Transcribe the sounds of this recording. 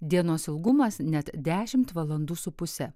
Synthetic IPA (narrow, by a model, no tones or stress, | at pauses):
d̪ʲiɛnoːsɪlˠɡʊmɐsnʲɛt̪d̪ʲæːʃʲɪmt̪ʋɐlˠɐnd̪uːsʊpʊsʲɛ